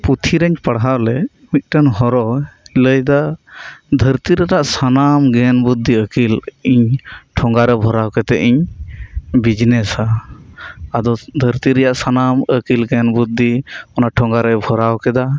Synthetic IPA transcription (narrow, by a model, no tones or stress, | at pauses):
put̪ʰiɾəɲpaɽɦawlɛ | mit̪̚ˀʈanɦɔɾɔləjd̪a | d̪ʱəɾt̪iɾɛɾaʔsanamɡɛnbud̪ʱːiəkiliɲʈʰɔŋɡaɾɛbʱɔɾawkɛt̪ɛʔiɲ | bid͡ʒnɛsaː | d̪ɔd̪ʱəɾt̪iɾɛjaʔsanaməkilɡɛnbud̪ʱːiɔnaʈʰɔŋɡaɾɛbʱɔɾawkɛd̪a